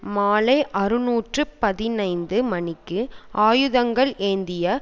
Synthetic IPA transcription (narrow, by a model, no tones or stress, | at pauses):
maːlɐɪʔɐɾɯnuːʈrɯpɐðɪnɐɪnd̪ɯmɐnɪkːɯʔaːjɯðɐŋɡɐɭʔeːnd̪ɪjɐ